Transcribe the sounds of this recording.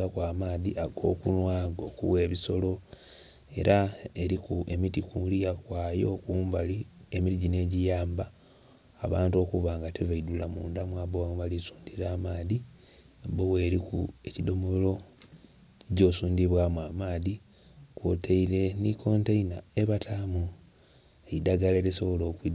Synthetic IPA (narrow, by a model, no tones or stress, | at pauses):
akwaːmaːðiʔaɡo̞̰ːkunwaːɡo̞kṵwe̞ːβiso̞lo̞ | e̞̰ɾʔaeɾikuemitikulijakwaːjo̞kuːmbalie̞miɾiɟine̞ːɟijaːmbaː | βaːnto̞kuβaːŋɡateβaidulamuːndamwaːβowamuβalisu̥ːndiɾaːmaːði | bowe̞ːɾikue̞cido̞molo̞ | ɟo̞ːsuːndiβwaːmwamaːði | kwotʰeile̞nikʰo̞nteinae̞βatʰaːmu | eidaɡaleːlisoβo̞lo̞ːkwid